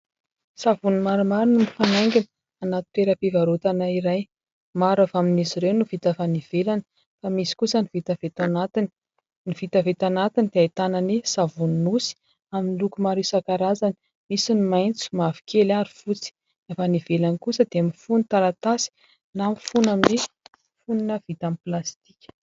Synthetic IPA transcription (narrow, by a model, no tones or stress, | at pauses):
savunimaɾumaɾunimifanaŋɡʲinə | anat̪i̥t̪eɾapivaɾot̪anaiɾaj | maɾavaminiziɾewnuv̥it̪avaniv̥elan | famisi̥kusənivit̪avet̪anat̪ini̥ | nivit̪avet̪anat̪inid̪ajt̪ananisavunnusi̥ | aminlukumaɾisakaɾazani̥ | misinimajnt͡su̥mavi̥kʲʰelaɾufut͡si̥ | afanivelanikusəd̪eamifunit̪alat̪asi̥ | lamifunamini | funinəvit̪amplast̪i̥kʲə̥